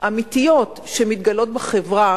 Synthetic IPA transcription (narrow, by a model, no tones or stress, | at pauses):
ʔamit̪ijo̞tʃemit̪ɡalo̞t̪̚beχevʁa